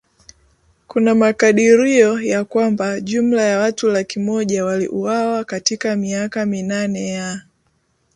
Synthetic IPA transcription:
kunamakaɗiɾiɔjakwambaʄum̩lajawatulakimɔʄawalḭʔuwawakatikamiakaminanɛja

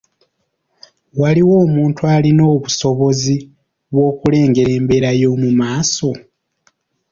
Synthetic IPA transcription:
waliwo̞ːmuːntʰualino̞ːβuso̞βo̞zi | βwo̞ːkule̞ːŋɡe̞ɾe̞ːmbe̞ɾajo̞ːmumaːso̞

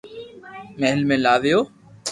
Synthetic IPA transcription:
meɦəlmẽːlaːʋɪjoː

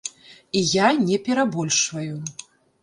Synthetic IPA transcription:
ijanʲɛpʲɛɾabɔlʲʂvɐju

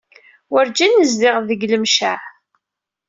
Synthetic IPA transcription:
wəɾd͡ʒinːəzðɪʁðəɡləmʃaʕ

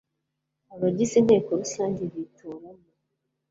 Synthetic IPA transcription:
aβaɟisinheːkoɾusaːɲɟiβitʰuːɾamu

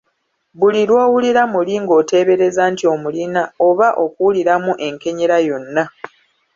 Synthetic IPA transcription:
βulilwoːwuliɾamuliŋɡo̞ːte̞ːβe̞ɾe̞zaːntio̞mulinao̞βaʔo̞kuwuliɾamuʔe̞ŋke̞ɲeɾajo̞nːa

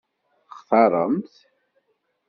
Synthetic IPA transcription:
χθɑɾˤə̰mt̪

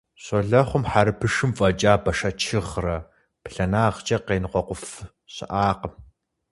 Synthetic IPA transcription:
ɕoɮɐχʷʊmħaɾɨpʰɨʂɨmfʼɐt͡ʃʼaːbɐʃɐt͡ʃʰɨʁrɐ | pɬɐnaːʁt͡ʃʼɐqeːnqʷɔqʷʊf | ɕɪ̰ʔaːqəm

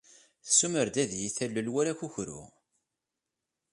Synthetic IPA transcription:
θəsːuməɾd̪æðjiθælːəlwæɾæçuçɾṵ

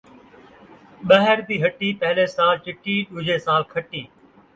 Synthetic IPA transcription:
ɓɐɦəɾbiːɦɐʈiːpɐɦɪleːsaːlt͡ʃɪʈiːɗʊd͡ʑeːsaːlkʰɐʈiː

